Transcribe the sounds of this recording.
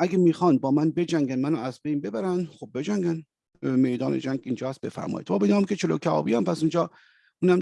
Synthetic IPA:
ʔæɡæmiːxɒnbɒːmænbe̞d͡ʒæŋɡænmænoæzbejnbe̞bæɾænχob̚ːe̞d͡ʒæŋɡæn | mejd̪ɒːnḛd͡ʒæŋɡind͡ʒɒːæst̪̚befæ̰ɾmɒ̰ːjid̪bɒːbenɒːmkʲet͡ʃʰelokʰæɒ̰ːbiæmpʰæsund͡ʒɒː | unæm

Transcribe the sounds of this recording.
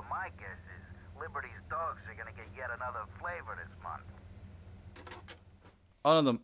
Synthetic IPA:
maɪɡɛsɪzlɪbə˞ɾizdɔɡzə˞ɡʌñɨɡɛt̚jɛɾənʌðə˞fleɪvə˞ɾɨsmʌ̰̃nθ | ʌ̃nʌðə̃m

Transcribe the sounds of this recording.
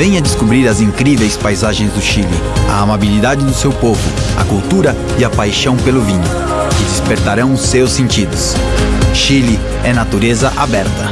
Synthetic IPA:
vẽj̃ɐd͡ʒɪskubɾiɾɐzĩŋkɾivejspajzaʒẽj̃zd̪ʊʃilɪ̰ɐ̰amabilid̪ad͡ʒɪd̪ʊsewpovʊɐ̰kuwt̪uɾɐ | ɪɐpajʃɐ̃w̃pelʊvĩɲʊ̰ | kɪd͡ʒɪspeɾt̪aɾɐ̃w̃ʊsewsːẽnt͡ʃid̪ʊs | ʃilɪ | ɛnat̪uɾezɐʔabɛɾt̪ɐ

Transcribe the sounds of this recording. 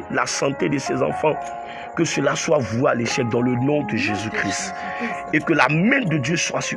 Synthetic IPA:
la̰sɑ̃t̪ed̪əsɛzɑ̰̃fɑ̃ | kəsəlaswavwalɛʃɛfd̪ɑ̃lənɔ̃d̪əʒezykχist̪ | ekəlamɛ̃d̪əd̪jøswasy

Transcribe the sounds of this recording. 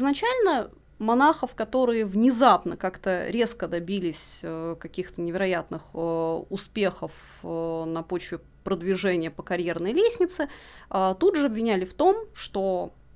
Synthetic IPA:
znɐt͡ɕælʲnə | mɐnaxəfkɐt̪o̞ɾɨjəvnʲɪzapnəkakt̪əɾʲe̞skəd̪ɐbʲilʲɪsʲkɐkʲixt̪ənʲɪvʲɪɾɐjat̪nɨxʊspʲe̞xəf | nɐpo̞t͡ɕvʲɪ | pɾəd̪vʲɪʐɛnʲɪjəpəkɐɾʲjernəjlʲesʲnʲɪt̪sɨət̪udʐɨɐbvʲɪnʲælʲɪft̪o̞mʂt̪o

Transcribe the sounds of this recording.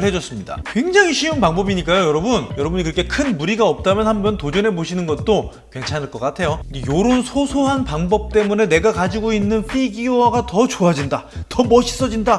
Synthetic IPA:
ɭhed͡ʑʌs͈ɯmɲida̰kwe̞ŋd͡ʑaŋiɕʰiɯnpaŋbʌbiɲik͈ajojʌɾʌbunjʌɾʌbuɲikɯɾʌkʰe̞kʰɯnmuɾiɡaʌp̚t͈amjʌnhambʌntod͡ʑʌne̞boɕʰinɯnɡʌt̚t͈o | kwe̞nt͡ɕʰanɯɭk͈ʌk͈atʰe̞jod͡ʑejoɾonsʰosʰoɦanpaŋbʌp̚t͈e̞mune̞ne̞ɡakad͡ʑiɡoinːɯnɸʰiɡioaɡatʌt͡ɕoad͡ʑinda | tʌmʌɕʰi̥s͈ʌd͡ʑinda

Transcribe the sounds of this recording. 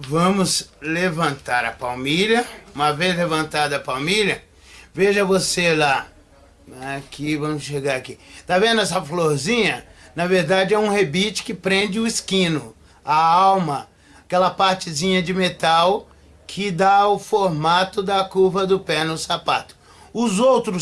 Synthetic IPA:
vɐ̃mʊslevɐ̃nt̪aɾɐpawmiʎɐũmɐvejzlevɐ̃nt̪ad̪ɐːpawmiʎɐ | veʒɐvosela | akivɐ̃mʊsʃeɡaɾakit̪avẽnd̪ʊɛs̬ɐfloɾzĩɲɐnɐveɾd̪ad͡ʒɪɛũhebit͡ʃɪ̥kɪpɾẽnd͡ʒɪʊɪskĩnʊ | aawmɐ | akɛlɐpaɾt͡ʃɪzĩɲɐd͡ʒɪmet̪aw | kʰɪd̪aʊfoɾmat̪ʊd̪ɐkuvɐd̪ʊpɛnʊsapa̰t̪ʊ̥ | ʊzowt̪ɾʊ

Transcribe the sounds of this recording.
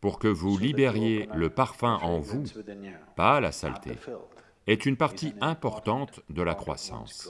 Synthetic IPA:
puʁkəvulibɛʁjeləpaʁfɛ̃ʔɑ̃vupala̰sa̰lt̪ʰḛ | ɛt̪ynpaʁt̪iɛ̃pɔʁt̪ɑ̃t̪d̪əlakχwa̰sɑ̰̃s

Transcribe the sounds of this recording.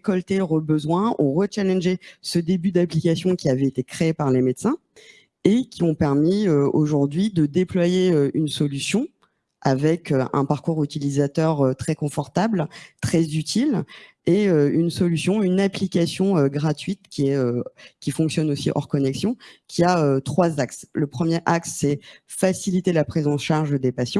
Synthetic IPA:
kɔlt̪eʁəbəzwɛ̃ṵ̃ʁət͡ʃalɛ̃nʒesəd̪ebyd̪aplikasjɔ̃kʲiavɛet̪ekχeepaʁlemet̪sɛ̃ | ekʲiɔ̃pɛʁmiøoʒuʁd̪ɥid̪əd̪eplwajeøynsɔlysjɔ̃ | avɛkøɛ̰̃paʁkuʁyt̪ilizat̪œʁøt̪χɛkɔ̃fɔʁt̪ablt̪χɛzyt̪ʰil | eøynsɔlysjɔ̃ynaplikʲasjɔ̃øɡʁat̪ɥit̪kʲiɛøkʲifɔ̃ksjɔnosiʔɔ̰ʁkɔnɛksjɔ̃kʲʰiaøt̪χwazaksləpχəmjeʔaksːɛfasilit̪elapχizɑ̃ʃaʁʒd̪epasjɑ̃

